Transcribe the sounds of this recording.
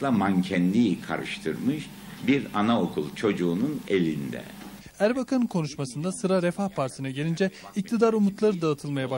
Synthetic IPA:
lˠamancʰɛnlʲijikʰa̰ɾɯ̰ʃt̪ʰɯɾmɯʃ | biɾanao̞kʰulˠt͡ʃʰo̞d͡ʒuːnunelʲind̪ɛ̰ | æɾbakʰankʰo̞nuʃmasɯnd̪asɯɾaɾefahpʰaɾsɯnaɟelʲind͡ʒɛic̚t̪ʰid̪aɾumut̪ʰlˠaɾɯd̪aːt̪ʰɯlˠmajaba

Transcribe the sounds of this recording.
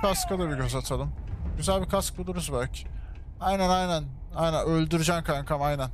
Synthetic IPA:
kaskʰad̪abiɟøzat̪ʰalˠɯmɟyzælʲbikʰask̚bud̪ˠuɾuzbælʲcʰɪ̥ | ajnænajnæn | ajnænølʲd̪yɾyd͡ʒænkʰankʰamajnæn

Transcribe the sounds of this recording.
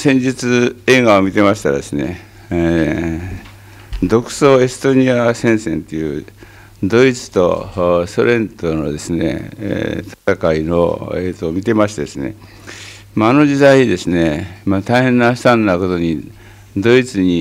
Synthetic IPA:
sẽ̞ɲ̟d͡ʑit͡sɨe̞ːɡaomʲit̪e̞maɕi̥t̪a̰d̪e̞sɨne̞̰ | d̪o̞kɯ̟̥so̞ːe̞sɨ̥t̪o̞ɲ̟iasẽ̞ɰ̃sẽ̞nt̪ejɯ̟ː | d̪o̞it͡sɨ̥t̪o̞̰so̞ɾẽ̞nt̪ono̞d̪e̞sɨne̞̰t̪ʰḁt̪akaino̞̰eːt̪oːmʲit̪e̞maɕi̥t̪ed̪e̞sɨnḛ | maːno̞d͡ʑid̪aiɲid̪e̞sɨne̞mat̪aihẽ̞nːaɕi̥t̪ãnːako̞t̪o̞ɲ̟i | d̪o̞it͡sɨɲ̟i

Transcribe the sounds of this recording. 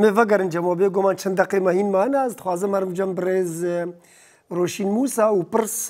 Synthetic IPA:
mevɐɡɐɾɨnd͡ʒɐmoːbeːɡomaːnt͡ʃʰɐnd̪ɐqeːmɐɦiːnmaːnaːzt̪xwaːzɐmɐɾmd͡ʒɐmbɾeːz | ɾoːʃiːnmuːsaːupɨɾs

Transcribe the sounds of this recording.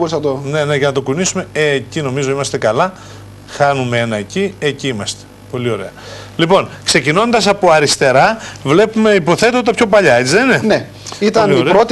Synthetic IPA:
boɾisɐt̪one̞neʝɐnɐt̪o̞kunisume̞eːcino̞mizo̞imɐst̪e̞kɐlɐ | xɐnumee̞nɐecieciimɐst̪e̥ | po̞lio̞ɾe̞ɐlipo̞nkse̞cino̞nd̪ɐsɐpo̞ɐɾist̪e̞ɾɐvle̞pume̞ipo̞θe̞t̪ot̪ɐpço̞pɐʎɐet͡siðenene | it̪ɐniɾot̪

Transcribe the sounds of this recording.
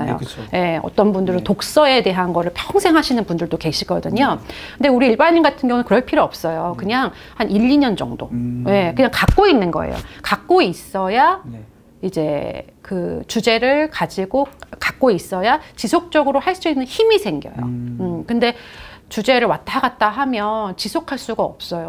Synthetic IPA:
a̰jo̰je̞ʌ̰t͈ʌnbundɯɾɯntok̚s͈ʌe̞de̞ɦanɡʌɾɯɭpʰjʌŋsʰe̞ŋɦaɕʰinɯnbundɯɭdoke̞ɕʰiɡʌdɯɲokɯnde̞uɾiːɭbaɲinɡatʰɯnɡjʌŋunɯnkɯɾʌɭpʰiɾoʌp̚s͈ʌjokɯɲaŋ | haniʎːiɲʌnd͡ʑʌ̰ŋdo̰je̞kɯɲaŋkak͈̚oinːɯnɡʌ̰ḛjo̰kak̚k͈ois͈ʌja | id͡ʑe̞kɯt͡ɕud͡ʑe̞ɾɯɭkad͡ʑiɡokak̚k͈ois͈ʌjat͡ɕisʰok̚t͡ɕ͈ʌɡɯɾohaɭs͈uinːɯnçimisʰe̞ŋɡjʌ̰jo̰ɯkɯnde̞t͡ɕud͡ʑe̞ɾɯɭwat̚ʰaɡat̚t͈aɦamjʌnt͡ɕisʰokʰaɭs͈uɡaʌp̚s͈ʌjo

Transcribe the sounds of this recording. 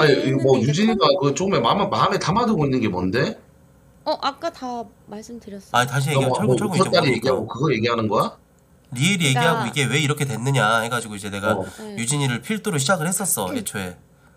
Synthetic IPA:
aimʌjud͡ʑiɲiɡakɯt͡ɕ͈okɯmemammame̞tamadɯɡoinːɯnɡe̞mʌnde̞ | ʌʔak͈ata | maɭs͈ɯmdɯɾjʌsaitaɕ̬ʰieoɡoʌt͈aɾije̞ɡiɦaɡokɯɡʌje̞ɡiɦanɯnɡoa | ɾiiɾije̞ɡiɦaɡoiɡe̞we̞iɾʌkʰetwenːɯɲahe̞ɡad͡ʑiɡoid͡ʑe̞ne̞ɡajud͡ʑiɲiɾɯɭpʰiɭt͈ʰoɾoɕʰid͡ʑaɡɯɭhe̞s͈ʌs͈ʌet͡ɕʰoe̞

